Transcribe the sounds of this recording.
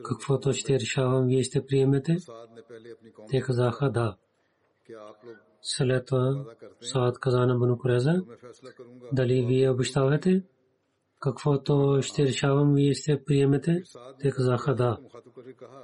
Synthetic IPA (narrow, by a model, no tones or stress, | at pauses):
kɐkfot̪oʃt̪eːɾʃaːʋɐmʋijest̪epɾijɐmet̪e | t̪ekɐzaːxɐd̪aː | sɐlet̪wɐsaːt̪kɐzaːnɐbɐnukuɾeːzɐ | d̪ɐliːʋijɐwbɨʃt̪aːʋet̪e | kɐkfoːt̪oʃt̪eɾʃaːʋɐmʋijest̪epɾijɐmet̪et̪ekɐzaːxɐd̪aː